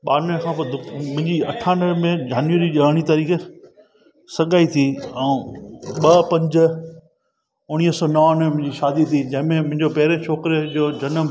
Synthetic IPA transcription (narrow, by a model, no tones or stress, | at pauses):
ɓaːɾnəkʰãːpɐd̪ʊmʊ̃ɦɪ̃ɲd͡ʑiɐʈʰaːnəmẽd͡ʑaːnjʋəɾiʄəːɽ̃it̪aɾiːke | sɐɠaːit̪ʰiɛ̃ːɓɐpɐ̃ɲd͡ʑ̆ | ʊɽ̃iːɦəsɔːnɐʋnəmʊ̃ɦɪ̃ɲd͡ʑiʃaːd̪it̪ʰid͡ʑɐ̃ɦɪ̃mẽmʊ̃ɦɪ̃ɲd͡ʑopɛɦɾẽt͡ʃʰoːkɪɾd͡ʑoːd͡ʑɐnəm